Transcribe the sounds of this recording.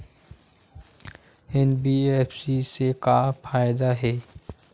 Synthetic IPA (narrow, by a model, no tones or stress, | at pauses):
ɛnbiɛfsisekafaːjd̪aɦɛː